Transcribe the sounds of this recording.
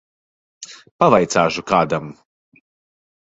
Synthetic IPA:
pavajt̪saːʒukaːd̪am

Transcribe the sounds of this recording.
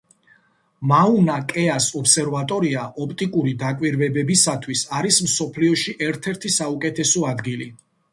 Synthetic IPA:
maunakʼɛasɔpsɛɾvat̪ʼɔɾiaʔɔpt̪ʼikʼuɾid̪akʼwiɾvɛbɛbisat̪ʰwisaɾismsɔpʰliɔʃiʔɛɾt̪ʰɛɾt̪ʰisaukʼɛt̪ʰɛsɔad̪ɡili

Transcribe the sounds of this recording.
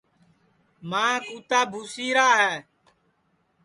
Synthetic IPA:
mãːkuːt̪aːbʱuːsiːɾaːɦɛː

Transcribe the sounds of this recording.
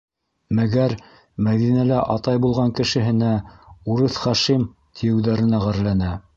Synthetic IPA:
mæɡæɾ | mæðinælæʔɑt̪ɑjbulˠʁɑŋkɘ̆ʃɘ̆ɦɘ̆næuɾɤθχæʃim | t̪ʰijɘ̆wðæɾɘ̆næʁæɾlænæ

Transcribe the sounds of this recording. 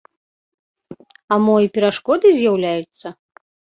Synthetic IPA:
amɔjipʲɛɾaʂkɔd̪ɨzʲjawlʲajut̪sːɐ

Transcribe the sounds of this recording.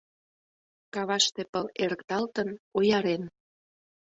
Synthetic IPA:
kɑβɑʃt̪epəleɾəkt̪ɑlt̪ənojɑɾen

